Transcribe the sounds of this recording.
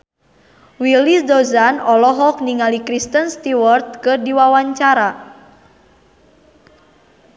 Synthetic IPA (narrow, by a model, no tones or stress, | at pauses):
wilisdozanɔlɔɦɔk̚niŋalikɾist̪ənst̪iwɔrt̪̚kɨrdiwawaɲt͡ʃaɾa